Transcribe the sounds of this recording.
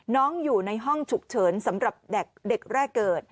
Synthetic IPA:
nɔː˦˥ŋjuː˨˩na˧jɦɔ˥˩ŋt͡ɕʰu˨˩k̚t͡ɕʰɤː˩˦nsa˩˦mɾa˨˩p̚dɛ˨˩k̚de˨˩k̚ɾɛː˥˩kːɤː˨˩t̪̚

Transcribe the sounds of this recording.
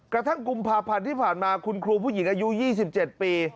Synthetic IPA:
kɾa˧t̪ʰa˥˩ŋku˧mpʰaː˧pʰa˧nt̪ʰiː˥˩pʰaː˨˩nmaː˧kʰu˧nkʰɾuː˧pʰuː˥˩ji˩˦ŋʔaː˧ju˦˥jiː˥˩s̬i˨˩p̚t͡ɕe˨˩t̪̚piː˧

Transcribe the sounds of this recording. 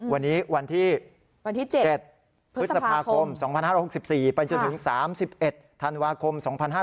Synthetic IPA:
wa˧nːiː˦˥wa˧nt̪ʰiː˥˩ | a˧nt̪ʰiː˥˩t͡ɕt͡ɕe˨˩t̪̚ʰ | ɯ˦˥t̪̚sa˨˧pʰaː˧kʰo˧msɔː˩˦ŋpʰa˧nhaː˥˩ɾɔ˧˩ho˨˩si˨˩p̚siː˨˩pa˧jt͡ɕo˧nt̪ʰɯ˩˦ŋsaː˩˦msi˨˩p̚ʔe˨˩t̪̚ʰːa˧nwaː˧kʰo˧msɔː˩˦ŋpʰa˧nhɦaː˥˩

